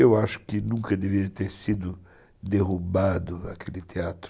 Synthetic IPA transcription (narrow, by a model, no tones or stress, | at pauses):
ewaʃʊ̥kɪnũkɐd̪evit̪eɾsid̪ʊ | d̪eʁubad̪ʊakʰelɪt̪eat̪ɾ